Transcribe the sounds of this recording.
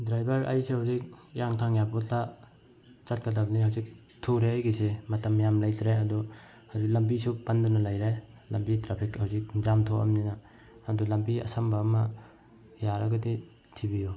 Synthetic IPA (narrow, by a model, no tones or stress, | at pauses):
dɾajbɐɾa̰jsehawzik̚jaŋtʰaŋjabɔta | t͡ʃɐt̚kɐtabniɦɐwzik̚ | tʰoɾeajɡisemɐtɐmjamlajtɾeɐdɔ | hawzik̚lɐmbisupɐndunɐlajɾe | lɐmbitɾapʰikhawzik̚zamtʰoʔɐ̰mninaː | dɔlɐmbiɐ̰sɐmbɐːmɐ | jaɾɐɡɐdi | tʰibiju